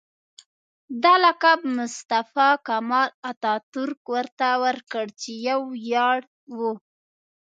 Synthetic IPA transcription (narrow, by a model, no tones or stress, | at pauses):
d̪alakabmʊst̪afɑkamɑlat̪ɑt̪ʊɾkwəɾt̪awəɾkəɽt͡ʃejawjɑɽ | wu